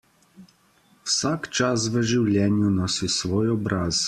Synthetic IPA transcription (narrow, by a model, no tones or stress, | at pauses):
wsakt͡ʃas̬ʋəʒiwlʲjɛnjunɔsisʋɔjɔbɾʔaːz